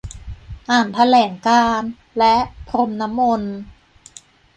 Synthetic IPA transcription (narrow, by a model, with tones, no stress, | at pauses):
ʔaː˨˩nt̪ʰa˧lɛː˩˦ŋkaː˧n | lɛ˦˥ʔpʰɾo˧mna˦˥mːo˧n